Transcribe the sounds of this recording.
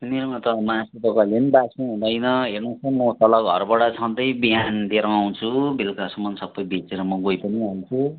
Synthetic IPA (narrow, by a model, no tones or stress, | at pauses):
nirmʌt̪ʌmasut̪ʌklenbasĩɦũd̪ʌjnʌɦernʌt͡sʰʌnmʌt̪ʌlʌɡʱʌ̰rbʌɽʌt͡sʰʌnd̪ʌjbiɦand̪eɾʌ̃aw̃nt͡sʰubelkasʌmʌnsʌbːʌjbit͡seɾʌmʌɡojpʌniɦalt͡sʰu